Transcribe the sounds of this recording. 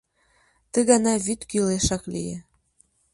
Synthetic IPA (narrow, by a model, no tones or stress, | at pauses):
t̪ə̆ɣɑnɑβyt̪kyleʃɑklḭje